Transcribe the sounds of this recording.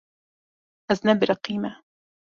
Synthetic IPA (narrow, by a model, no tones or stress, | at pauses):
ʔaznaːbɪɾɑqiːma